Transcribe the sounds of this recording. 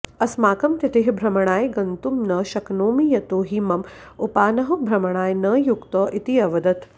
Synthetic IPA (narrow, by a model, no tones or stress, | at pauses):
ɐsmaːkɐmt̪it̪ɪɦbʱɾɐmɐɽ̃aːjɡɐnt̪umnɐʃɐknoːmijɐt̪oːɦiːmɐmupaːnɐɦɐbʱɾɐmɐɳ̃aːjnɐjukt̪ɐːʔit̪iɐʋɐd̪ɐt̪